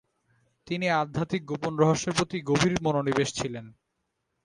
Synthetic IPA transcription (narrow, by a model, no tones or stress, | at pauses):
t̪iniad̪ʱːat̪ik̚ɡoponɾɔɦoʃːeɾpɾot̪iɡobʱiɾmononibeʃt͡ɕʰilen